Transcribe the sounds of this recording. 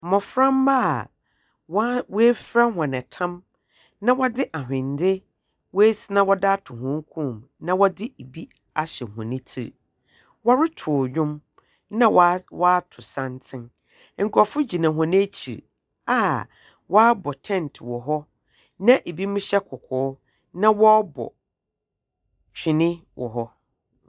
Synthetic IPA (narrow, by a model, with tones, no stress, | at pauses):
mɔ̃˨fɾã˦m˦ma˦˨ | wwe˦fɾa˦ɦɔ̃˨nɛ̃˨tʰã˦m | nã˦wɔ˦dɪ˦ʔa˨ɦᶣɪ̃˨n˨dɪ˦ | wɔ˦e˦si˦nã˦wɔ˦da˦tʰʊ˨ɦɔ̃˦ŋ˦kʰũ˦˨m | nã˦wɔ˦dɪ˦e˨bi˦ | a˨ɕɛ˨hɔ̰̃˨nĩ˦tʰḭ˨ɾ | wɔ˦ɾɪ˦tʰʊ˨ɲᶣʊ̃˦m | nã˦wwɔ˦a˦tʰʊ˨sã˦ntʰɪ̃˦n | ŋ̩˨kʰɔ˨fʊ˦d͡ʑi˨nã˨ɦɔ̃˨nɪ̃˦t͡ɕʰḭ˨ɾ | a˦˨ | wɔ˦a˦bɔ˨tʰɛ̃˦˨ntʰwɔ˨ɦɔ˦ | nã˦ʔe˨bi˦mʊ̃˦ɕɛ˦kʰɔ˨kʰɔː˨˦ | nã˦wɔ˦bɔ̰˨ | t͡ɕᶣɪ˨nɪ̃˦wʔɔ̰˨ɦɔ˦